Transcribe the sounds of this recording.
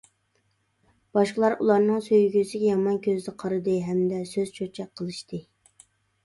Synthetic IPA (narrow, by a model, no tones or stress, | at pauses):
b̥ɑʃqəlˠɑɾṵlˠɑɾnɨŋsøjɡʲysɪɡʲɛjɑmɑnkʲʰøzɪnɨqʰɑɾɨd̪ɨɦɛmd̪ɛsøzt͡ʃʰøɾt͡ʃʰɛk̚ʲqʰəlˠɨʃt̪ʰɨ